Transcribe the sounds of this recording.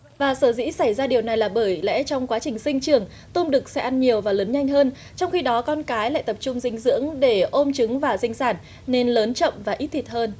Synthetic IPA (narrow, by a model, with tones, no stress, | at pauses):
vaː˨˩səː˧˩zḭ˧˥sa˧˩jzaː˧ɗi˨˩əwna˨˩jlaː˨˩ɓəː˧˩jlɛ̰˧˥t͡ɕɔ˧wŋ͡mkwaː˨˦t͡ɕï˨˩ŋ̟sï˧ŋ̟t͡ɕɨ˨˩əŋ | t̪ʊ˧mɗɨ˨˩k̚sɛ˧˥ʔa˧nɲi˨˩əwvaː˨˩ləː˨˦nɲa˧jŋ̟ɦəː˧n | t͡ɕɔ˧wŋ͡mxi˧ɗɔ˨˦kɔ˧nkaː˨˦jla̰ː˧˨jt̪ə˨˩p̚t͡ɕʊ˧ŋ͡mzï˧ŋ̟zɨ̰˧˥əŋɗe˧˩ʔo˧mt͡ɕɨ˨˦ŋvaː˨˩zï˧ŋ̟saː˧˩n | ne˧nləː˨˦nt͡ɕə̰˧˨mvaː˨˩ʔi˦˥t̚t̪ʰi˨˩t̚həː˧n